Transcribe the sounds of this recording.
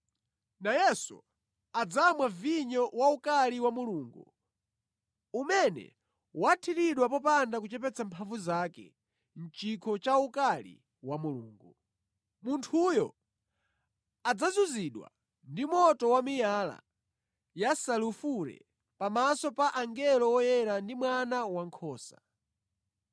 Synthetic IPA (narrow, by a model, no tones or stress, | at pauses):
najɛsṵ | ad͡zamwaviɲɔwaukaliwamuluːŋɡṵ | umɛnɛ̰ | watʰiɾiɗwapɔpandakut͡ʃɛpɛt͡sampʰaɱvuzakɛ̰ | n̩t͡ʃikʰɔt͡ʃaukalḭ | wamuluːŋɡu | muntʰujɔ | ad͡zazuziɗwa̰ | ndimɔtɔwamijala̰ | jasalufuɾɛ̰ | pamasɔpaʔaŋɡɛlɔwɔjɛɾandimwanawaŋkʰɔːsa̰̥